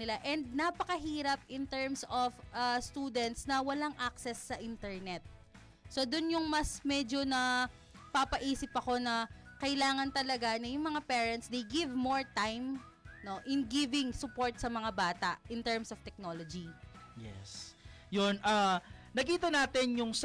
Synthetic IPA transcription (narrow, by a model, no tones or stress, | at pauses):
nɪlaʔɛnd̪̚nɐpɐkɐɦiːɾɐp̚ʔɪnt̪ɛɹmsofʔast̪uːd̪ɛnt̪snɐwɐlaŋʔak̚sɛsːɐʔɪnt̪ɛɹnɛt̪̚ | so̞d̪ʊnjʊŋmɐsmɛd͡ʒo̞nɐ | papɐʔiːsɪpɐko̞nɐkɐʔɪlaːŋɐnt̪ɐlɐɡanɐjʊŋmɐŋapɛːɹɛnt̪sd̪ejɡɪvmoɹt̪ajm | no̞ʔɪnɡɪvɪŋsʊpo̞ɹt̪̚sɐmɐŋabaːt̪ɐ̰ʔʔɪnt̪ɛɹmsovt̪ɛk̚no̞ːlod͡ʒijɛ̰sjonʔanɐkiːt̪ɐnaːt̪ɪnjʊŋs